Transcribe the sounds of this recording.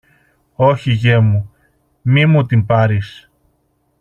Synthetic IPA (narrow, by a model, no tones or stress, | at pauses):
oçiʝe̞mu | mimut̪impɐɾis